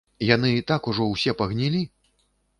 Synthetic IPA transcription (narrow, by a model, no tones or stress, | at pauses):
jan̪ɨt̪akuʐɔwsʲɛpɐɣnʲilʲi